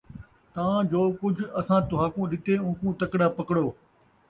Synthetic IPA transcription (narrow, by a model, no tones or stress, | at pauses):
t̪ɐʋãd͡ʒoːkʊd͡ʒʱɐsãːt̪ʊɦaːkũːɗɪt̪eːũːkũːt̪ɐkɽaːpɐkɽoː